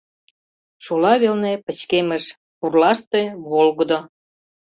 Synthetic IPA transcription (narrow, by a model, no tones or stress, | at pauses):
ʃulɑβelnepə̆t͡ɕkemə̆ʃ | purlɑʃt̪eβolɣəd̪o